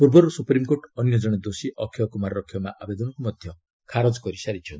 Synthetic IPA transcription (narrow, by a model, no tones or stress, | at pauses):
puɾbɔɾusupɾimkoʈɔnjɔd͡ʒɔɽ̃ed̪osiʔɔkʰːjɔkumaɾɾɔkʰːjɔmaʔabed̪ɔnɔkumɔd̪ʱjɔ | kʰaɾod͡ʒkɔɾisaɾit͡ʃʰɔnt̪i